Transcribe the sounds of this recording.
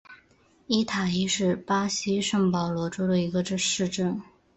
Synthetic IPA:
i˥t̪ʰa˨˩i˥ʂɻ̩˥˩pa˥ɕi˥ʂɤ˥˩ŋpɑ˨˩ʊlwɔ˧˥ʈ͡ʂo˥ʊd̪ə˧i˧˥ɡə˧ʈ͡ʂə˥˧ʂɻ̩˥˧ʈ͡ʂə˥˩n

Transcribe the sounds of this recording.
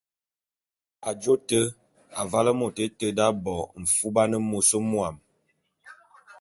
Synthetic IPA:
a˨d͡ʒo˦tə˦ | a˨va˦lə˦mo˨te˦tə˦da˦bɔ˨m̩˨fu˦ba˦nə˦mo˨so˦mwa˨m

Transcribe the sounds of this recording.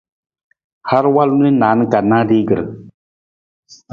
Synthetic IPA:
ha˦ɾwa˦lnu˦ni˦naː˨˦nɨ˦ka˨na˦diː˦ɡɨ˨ɾɨ̰˨

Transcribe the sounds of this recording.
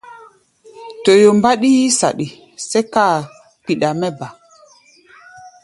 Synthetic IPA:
to˨jo˨mba˦ɗi˦ji˦sa̰˨ɗi˨ | sɛ˦ka˦˨ | k͡pi˨ɗa˨mɛ˦ba˨

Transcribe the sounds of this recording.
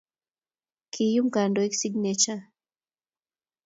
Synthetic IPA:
kʰi˨ju˦mɡa˨ndo˨e˦ksi˦ɡnɛt͡ʃa˦

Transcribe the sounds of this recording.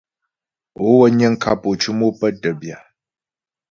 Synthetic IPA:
o˦wə˦ɲə˦ŋ̩˦kʰa˦˨po˨t͡ʃu˦mo˦pə˦tə˨bja˨

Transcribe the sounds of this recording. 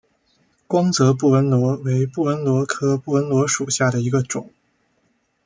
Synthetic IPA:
kwɑ˥ŋt͡sɤ˧˥p̬u˥˩wə˧˥nlwɔ˧˥we˧˥ɪpu˥˩wə˧˥nlwɔ˧˥kʰɤ˥pu˥˩wə˧˥nlwɔ˧˥ʂu˨˩ɕja˥˩ɾə˩i˧˥ɡə˧ʈ͡ʂʊ˨˩˦ŋ

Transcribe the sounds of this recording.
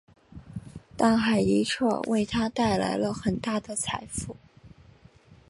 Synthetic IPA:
t̪a˥˩ŋxa˨˩ɪi˧˥ʈ͡ʂʰɤ̰˥˩wḛ˥˩ɪt̪ʰa˥t̪a˥˩ɪla̰˧˥ɪlə˧xə˨˩nt̪a˥˩d̪ə˩t͡sʰa˧˥ɪfu˥˩

